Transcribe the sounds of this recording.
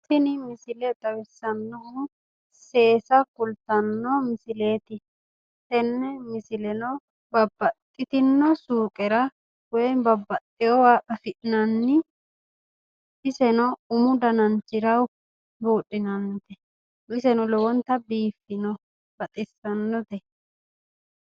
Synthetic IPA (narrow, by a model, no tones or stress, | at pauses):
t̪ɪnɪmɪsɪlɛd̪ɐwɪsːɐnːɔhu | se̞ːsɐkʊlt̪ɐnːɔmɪsɪle̞ːt̪ɪ | tɛnːɛmɪsɪlɛnɔ | bɐbːɐt̪ʼːɪt̪ɪnːɔsuːkʼɛɾɐ | wɛjbɐbːɐt̪ʼːɪjɔwaʔɐfɪʔnɐnːɪ | ʔɪsɛnɔʊmʊd̪ɐnɐnt͡ʃɪɾɐw | boːɗɪnɐnt̪ɛ | ɪsɛnɔlɔwɔnt̪ɐbiːfːɪnɔ | b̥ɐt̪ʼɪsːɐnːɔt̪ɛ